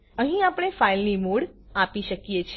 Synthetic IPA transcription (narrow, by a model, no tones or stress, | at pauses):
əɦĩapɽ̃efailnimuɽapiʃəkjet͡ʃʰ